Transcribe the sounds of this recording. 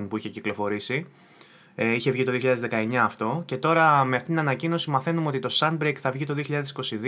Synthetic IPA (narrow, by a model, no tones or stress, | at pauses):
npuiçeciklo̞fo̞ɾisi | içe̞vʝit̪oðioçiʎɐðzðekɐe̞ɲɐːft̪o̞ce̞t̪o̞ɾɐme̞ɐft̪it̪inɐnɐcino̞simɐθe̞numeo̞t̪it̪o̞sɐn̚bɾekθɐvʝit̪o̞ðio̞çiʎɐðesi̥ko̞sið